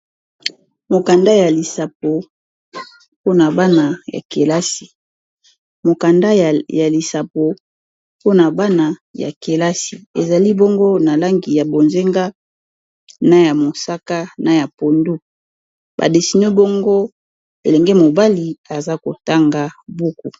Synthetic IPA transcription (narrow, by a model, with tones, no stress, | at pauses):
mo˨ka˨nda˦ja˨li˨sa˨p̚o˨ | po˦na˨ba˦na˨ja̰˨ke˨la˦si̥˨ | mo˨ka˨nda˦ja˨li˨sa˨po˨ | po˦na˨ba˦na˨ja̰˨ke˨la˦si˨e˨za˨li˦bo˦ŋɡo˦na˨la˦ŋɡi˨ja˨bo˨nze˦ŋɡa˦ | na˦ja˨mo˨sa˦ka˦na˨ja˨po˨ndu˦ | ba̰˨de˨si˨ni˦bo˦ŋɡo˦ | e˨lɛ˨ŋɡɛ˦mo˨ba˦li˨a˨za˦ko˨ta˦ŋɡa˦bu˦ku˨